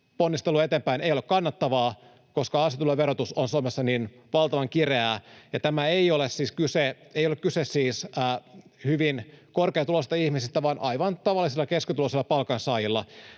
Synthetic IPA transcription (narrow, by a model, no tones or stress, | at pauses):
ponːist̪eluɑet̪eːmpæinejolekkɑnːɑt̪ːɑʋɑː | koskɑɑset̪ulːeʋeɾot̪usonsuomesːɑnin | ʋɑlt̪ɑʋɑŋkireæjɑt̪æmæeiolessiːskyseeijolekkysessiːsː | hyʋinkorkeːt̪ulost̪ɑihmisist̪æʋɑnʔɑ̰ijʋɑnt̪ɑʋɑlːˑisilːɑkeskyt̪uloselːɑpɑlkɑnsɑːjilːɑ